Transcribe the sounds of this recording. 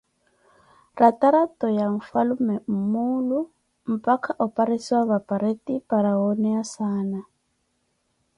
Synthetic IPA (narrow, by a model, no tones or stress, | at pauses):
rataɾatɔjaɱ̩falumɛm̩muːlu | m̩pakʰaʔɔpaɾesiwaβapaɾetipaɾaonɛjasaːna